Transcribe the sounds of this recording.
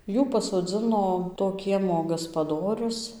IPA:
ˈjuː pɐsoːd͡zɨnoː toː ˈkʲiɛmoː ɡɐspɐˈdoːrʲʊs

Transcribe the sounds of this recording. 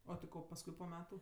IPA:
oː tʲɪ ˈkoː pɐsˈkʊɪ poː ˈmʲæːtʊ

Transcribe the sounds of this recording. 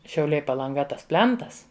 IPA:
ʃʲɛʊˈlʲɛɪ pɐlˠɐŋˈɡɐ ˈtɐs ˈpʲlʲɛntɐs

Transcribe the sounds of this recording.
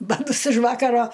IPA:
bɐˈtʊs ɪʃ ˈʋɑːkɐroː

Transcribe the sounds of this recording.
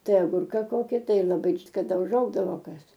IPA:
ˈtɐɪ ɐˈɡʊrkɐ ˈkoːkʲɪ ˈtɐɪ lˠɐˈbɐɪ kɐˈdɐ ʊˈʒɐʊɡdɐʋoː ˈkɐs

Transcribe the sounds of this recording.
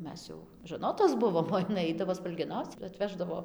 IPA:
ˈmʲɛs jɛʊ ʒɐˈnoːtoːs ˈbʊʋoːm oː jɪˈnɐɪ ˈɐɪdɐʋoː spɐlʲɡʲɛˈnɐʊt͡s ɪr ɐtʲˈʋʲæːʒdɐʋoː

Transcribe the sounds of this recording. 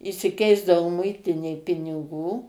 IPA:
ɪʃʲsʲɪˈkʲɛɪzdɐʋoː ˈmʊɪtʲɪnʲeːj pʲɪnʲɪˈɡuː

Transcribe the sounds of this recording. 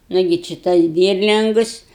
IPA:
ˈnʊɡʲɪ t͡ʃʲɪ ˈtɐs ˈdʲiːrʲlʲɪŋɡʊs

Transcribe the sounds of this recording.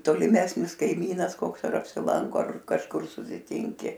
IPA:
toːlʲɪˈmʲæːsʲnʲɪs kɐɪˈmʲiːnɐs ˈkoːks ɐr ɐpʲsʲɪˈlˠɐŋkoː ɐr kɐʃˈkʊr sʊsʲɪˈtʲɪŋʲkʲɪ

